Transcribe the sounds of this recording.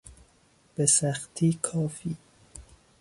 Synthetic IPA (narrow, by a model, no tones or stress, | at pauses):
b̥esæxt̪ʰiːkʰɒːfiː